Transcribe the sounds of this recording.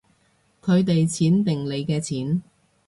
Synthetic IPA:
kʰɵ˨˧ɥt̪e˨jt͡sʰiː˨˥nt̪ɪ˨ŋle˨˧jkɛː˧t͡sʰiː˨˥n

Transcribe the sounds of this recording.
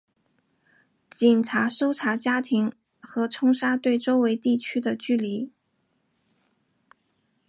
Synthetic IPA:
t͡ɕi˨˩nʈ͡ʂʰa˧˥ʂo˥ʊʈ͡ʂʰa˧˥t͡ɕja˥t̪ʰi˧˥ŋ | xɤ˧˥ʈ͡ʂʰʊ˥ŋʂa˥t̪we˥˩ɪʈ͡ʂo˥ʊwe˧˥ɪt̪i˥˩t͡ɕʰy˥d̪ə˨t͡ɕy˥˩li˧˥

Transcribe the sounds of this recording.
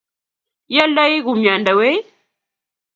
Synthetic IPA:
ja˦la˦i˦ɣu˨ma˨nda˨we˦

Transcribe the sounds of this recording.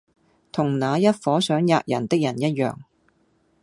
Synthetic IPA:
t̪ʰʊ˨˩ŋnaː˨˧jɐ˥t̚fɔː˨˥sœː˨˥ŋja̰ː˧˨k̚jɐ̰˨˩nt̪ɪ˥k̚jɐ˨˩njɐ˥t̚jœ̰ː˨ŋ

